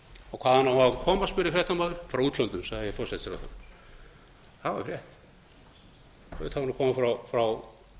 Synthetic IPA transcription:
awkʰvaːðhanːawhaːvankʰɔːmaspʏɾɪfɾɛht̪amaðɪ̥fɾawuːt̪lɔnt̪ʏmsaɣðɪɛfɔɾsɛt̪sɪɾawθa̰n | θava̰ɾjɛht̪ | ɛʏt̪havnakʰɔːmafɾawfɾaw

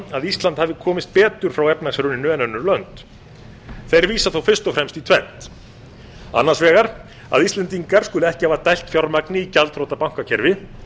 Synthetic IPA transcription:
aðist̪lant̪havðɪkʰɔːmɪst̪̚pɛːt̪ʏɾ̥fɾawɛpnasɾʏnɪnœːɛnœnːʏɾlœnt̪ | θejɾviːsaθowfɪ̥st̪ɔfɾɛmst̪it̪ʰv̥ɛn̥t̪ | a̰nːasvɛːɣaɾ | a̰ðist̪lɛnt̪iŋkaɾ̥skʏːlʏɛhcɪhaːvat̪ajl̥t̪fjawɾmaknɪicalt̪rowt̪apawŋ̥kacʰɛɾvɪ

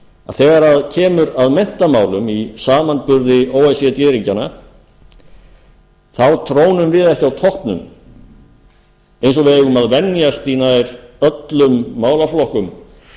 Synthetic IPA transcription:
a̰ðθɛːɣaɾaðcʰɛːmʏɾaðmɛn̥t̪amaːwlʏmisaːmant̪̚pʏɾðɪoːwɛsɛt̪jɛːðɾiɲcana̰ | θawt̪ʰɾoːwnʏmvɪðɛhcɪawt̪ʰɔhpnʏ̰m | ejnsɔvɪeɣʏmaðvɛnjast̪inajɾœt̪lʏmːaːwlaflɔhkʏm

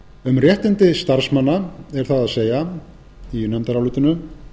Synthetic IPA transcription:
ʏmrjɛht̪ɪnt̪ɪst̪aɾ̥smanːaɛɾ̥θaðaðseːja | inɛmt̪aɾawlʏːt̪ʏnʏ

